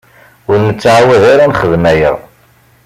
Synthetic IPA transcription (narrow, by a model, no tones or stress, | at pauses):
ʊɾnət͡sːʕawæðaɾanχəðmæjə̰ʁ